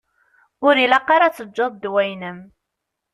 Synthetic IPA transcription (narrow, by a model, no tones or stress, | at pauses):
ʊɾilɑqɑɾat͡sːəd͡ʒːɑðˤd̪wæjnəm